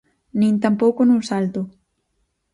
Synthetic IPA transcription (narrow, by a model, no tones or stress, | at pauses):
nĩnt̪ampokonusalt̪o